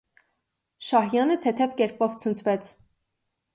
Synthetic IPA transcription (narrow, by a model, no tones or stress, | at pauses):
ʃɑhjɑnət̪ʰɛt̪ʰɛvkɛɾpɔvt͡sʰənt͡sʰvɛt͡sʰ